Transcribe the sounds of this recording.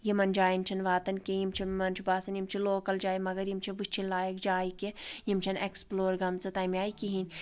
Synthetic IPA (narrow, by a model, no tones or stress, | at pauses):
jimɐnd͡ʒaːjinʲt͡ʃʰɐnʋaːt̪ɐnkʲejimt͡ʃʰimɐnt͡ʃʰibaːsɐnjimt͡ʃʰiloːkɐld͡ʒaːimɐɡɐɾjimt͡ʃʰiʋɨt͡ʃʰilaːjɐkd͡ʒaːikejimt͡ʃʰɐneksploːɾɡɐmt͡sɨt̪ɐmʲjaːikiɦinʲ